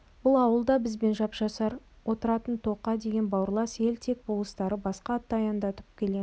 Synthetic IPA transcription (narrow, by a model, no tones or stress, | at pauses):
b̥ʊlˠɑwəlˠd̪ɑbɪzbe̞nʒɑpʒ̥ɑsɑɾ | wʔo̞t̪əɾɑt̪ənt̪ʰo̞qːɑd̪e̞ɡʲe̞nbɑwəɾlˠɑsje̞lt̪ʰe̞k̚bolˠəst̪ɑɾəbɑsqɑt̪ːɑɑjɑnd̪ɑt̪ə̥p̚kʲʰe̞le̞